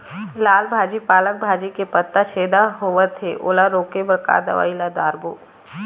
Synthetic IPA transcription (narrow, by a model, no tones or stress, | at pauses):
laːlbʱaːd͡ʒipaːlək̚bʱaːd͡ʒikepət̪ːat͡ʃʰeːd̪aɦoːʋət̪ʰeʔo̰ːlaɾoːkebəɾka̰ːd̪ɐ̰ʋa̰ːilad̪aːɾboː